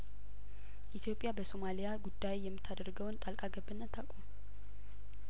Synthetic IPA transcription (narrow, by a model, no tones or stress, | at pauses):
ʔit̪ʰjo̞pʼːjabəsomalijaɡud̪ːajejɛmːɨt̪ʰːad̪əɾɡəwnt̪ʼalkʼaɡəbːɨnːət̪ʰakʷʼum